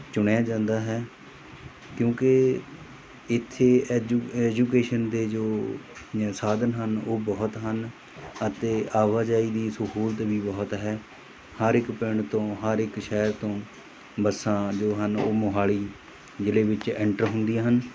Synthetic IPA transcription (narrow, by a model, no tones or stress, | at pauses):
t͡ʃʊɳjaːd͡ʒãːnd̪aːɦɛː | kjõːke | ɪt̪ʰːeːɛːd͡ʒuːkeːʃənd̪eːd͡ʒoː | saːd̪ənɦənoːbɔːt̪ɦən | ət̪eːaːʋaːd͡ʒaːiːd̪iːsəɦuːlt̪biːbɔːt̪ɦɛː | həɾɪkpɪɳt̪õːɦəɾɪkʃɛːɾt̪õː | bəsãːd͡ʒoːɦəno̰ːmʊɦaːliː | d͡ʒɪleːʋɪt͡ʃɛːɳʈəɾɦʊnd̪ijaːɦən